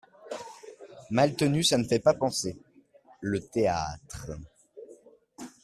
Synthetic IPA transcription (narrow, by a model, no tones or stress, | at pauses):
malt̪ənysanəfɛpapɑ̃se | lət̪eat̪χə